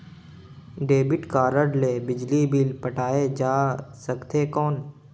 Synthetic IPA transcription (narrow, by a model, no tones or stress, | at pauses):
ɖeːbɪʈkaːɾəɽleːbɪd͡ʒlibiːlpəʈʰaːed͡ʒaːsəkt̪ʰekɔːn